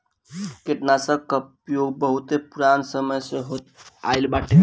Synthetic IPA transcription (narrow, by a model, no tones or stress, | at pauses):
keʈnasəkəp | joɡ̚bəɦut̪epuɾansəməjseɦot̪a̰ɪlbaʈʰe